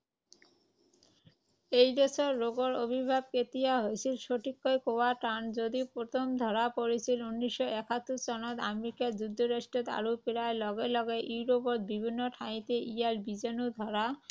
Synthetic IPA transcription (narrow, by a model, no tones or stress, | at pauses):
ejd̪esʰoɾːoɡoɾobʱibʱab̚ket̪ijaɦoet͡ɕʰilʃoʈʰikːojkoaʈand͡ʑod̪ipɾot̪ʰomd̪ʱɔɾapoɾet͡ɕʰilunːiʃːoʔɛkʰat̪ːut͡ɕɔnot̪a̰meɾikad͡ʑud̪ʱːoɾaʃʈet̪a̰ɾupiɾaelɔɡelɔɡeʔiwɾopoɾd̪̚bibʱinːoʈʰaĩt̪eʔialbid͡ʑenud̪ʱɔɾa